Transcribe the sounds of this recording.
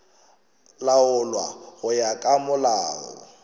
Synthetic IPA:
laʊlwa̰ɣʊjakʼamʊlaːɔ̰

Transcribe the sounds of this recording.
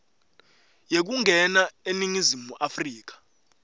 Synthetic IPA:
jek̬uŋʱɛnaeniŋizimuʔafriːk̬ḁ

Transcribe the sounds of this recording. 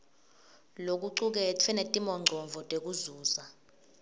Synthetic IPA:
lok̬ʼuǀuk̬ʼɛtʰɛnɛtʼimɔŋ͡ǀʱɔɱvʱɔtʼek̬ʼuzuːza

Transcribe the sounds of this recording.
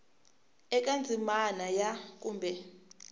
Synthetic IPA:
ɛkʼand͡zʱimanajak̬ʼuːmbʱɛ

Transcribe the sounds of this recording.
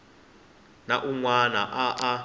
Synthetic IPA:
naʔuŋwanaʔaʔa

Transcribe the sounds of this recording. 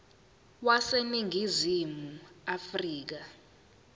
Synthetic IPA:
waseniŋʱizimuafriːk̬a

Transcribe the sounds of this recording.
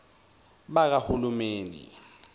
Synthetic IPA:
ɓak̬ahulumeːnḭ

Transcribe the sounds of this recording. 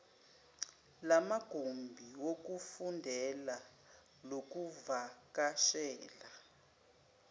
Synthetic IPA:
lamaɡ̥ʱombʱiwok̬ufundʱɛla | lok̬uvakaʃɛːla

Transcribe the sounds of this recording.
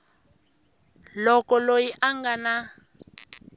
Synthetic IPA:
lɔkɔlojiʔaŋɡana

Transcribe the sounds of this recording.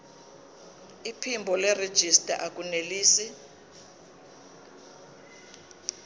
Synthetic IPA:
ipʰimbʱɔlɛred̥ʒ̥ʱistʼa̰ʔak̬ʼuneliːsi

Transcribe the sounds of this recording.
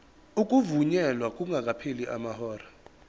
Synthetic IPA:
uk̬ʼuvuɲɛlwakʼuŋʱak̬ʼapʰeliʔamahɔːra

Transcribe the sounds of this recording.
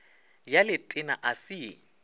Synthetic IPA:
jalɪtʼɪna̰ʔasi

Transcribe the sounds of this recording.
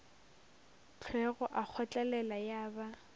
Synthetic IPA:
t͡ɬʰwɛɣɔʔak͡xʰɔt͡ɬʼalɛlajaːba

